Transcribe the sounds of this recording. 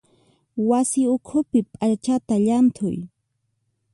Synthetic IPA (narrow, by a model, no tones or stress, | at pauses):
wasɪʊkʰʊpɪpʼaɾt͡ʃat̪aʎant̪ʰʊj